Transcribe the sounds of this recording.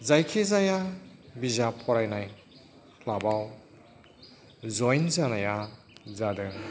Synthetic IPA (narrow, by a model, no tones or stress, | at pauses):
zajkʰezajabizapʰɔɾajnaj | kʰlabaw | zɔjnzanaja | zadɯ